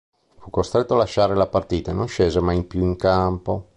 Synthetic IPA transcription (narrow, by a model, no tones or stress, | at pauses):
fukːost̪ɾet̪ːoalaʃːaːɾelapart̪iːt̪aenonʃeːzemajimpjuiŋkampo